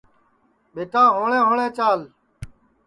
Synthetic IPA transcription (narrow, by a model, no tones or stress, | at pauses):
ɓeːʈãːɦoːɳẽːɦoːɳẽːt͡ʃaːl